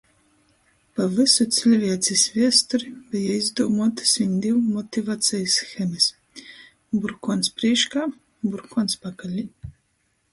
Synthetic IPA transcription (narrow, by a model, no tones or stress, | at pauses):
pavɨsut̪sʲilʲvʲiɛt̪sʲisvʲiɛst̪uɾibijaizd̪uɔmɔt̪ḁsʲinʲd̪ʲiwmɔt̪ʲivat̪sʲɛjsxɛmʲɨs | buɾkɔːnspɾʲiɛʃkaː | buɾkʰɔnspakalʲi